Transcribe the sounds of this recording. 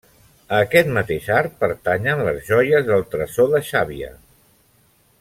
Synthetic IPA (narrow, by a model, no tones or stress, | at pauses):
əːkɛt̪mət̪eʃaɾ̚pəɾt̪aɲənləzʒɔjəzðəlˠt̪ɾəsoðəʃaβiə̰